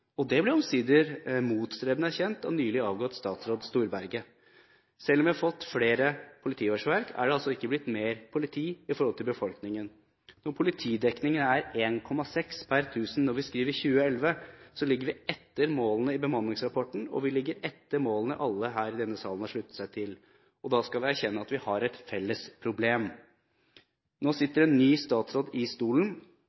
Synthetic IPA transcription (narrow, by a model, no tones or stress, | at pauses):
ɔd̪ɛblɪɾɔmsiːd̪əɾmuːt̪st̪ɾeːbənəæɾçɛnt̪ɔ̰nyːlɪɑːʋɡɔt̪st̪ɑːt̪sɾoːd̪st̪uːɾbæɾɡə | sɛlɔmʋɪhɑɾfɔt̪ːfleːɾəpʰʊlɪt̪ʰiːɔʂʋæɾkʰæ̰ɖɛɑlsɔɪkːəblɪt̪ːmeːɾpʰʊlɪt̪ʰiːɪfɔɾhɔlt̪ʰɪlbəfɔlknɪŋən | nɔɾpʰʊlɪt̪ʰiːd̪ɛknɪŋənæɾeːnkʰɔmːɑsɛkspʰæɾt̪ʰʉːsn̩nɔɾʋɪskɾiːʋəɾçʉːəɛlʋəsɔlɪɡəɾʋɪɛt̪ːəɾmoːlənəɪbəmɑnlɪŋsɾɑpʰɔʈn̩ɔ̰ʋɪlɪɡːəɾɛt̪ːəɾmoːlənəʔɑlːəɦæːɾɪd̪ɛnːəsɑːlənɑʂɭʉt̪ːəsæɪt̪ʰɪl | ɔd̪ɑːskɑʋɪæɾçɛnːəɑt̪ʋɪhɑɾɛt̪fɛlːəspʰɾʊbleːm | noːsɪt̪ːəɾɛnːyːst̪ɑːt̪sɾoːd̪ɪst̪uːlən̩